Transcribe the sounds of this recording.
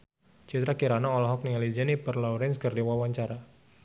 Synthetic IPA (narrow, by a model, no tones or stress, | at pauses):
t͡ʃit̪ɾakiɾanaɔlɔɦɔk̚niŋalid͡ʒɛnipərlɔɾɛnskərdiwawaɲt͡ʃaɾa